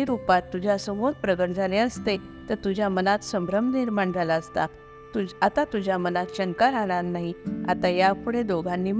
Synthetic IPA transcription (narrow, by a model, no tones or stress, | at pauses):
iɾupat̪ːud͡ʑʱjaəsəmod̪pɾəɡəʈd͡zʱalẽəst̪e | t̪əɾt̪ud͡ʑʱjamənat̪səmbɾəmniɾmaɳd͡zʱalaəst̪a | t̪uat̪at̪ud͡ʑʱjamənat̪ɕənkaɾaɽ̃aɾnaɦiat̪ajapuɽed̪oɡʱãnːiːm